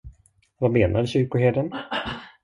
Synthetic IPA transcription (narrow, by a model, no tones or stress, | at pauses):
vameːnʔad̪ɕʏɾkʊɦeːɖən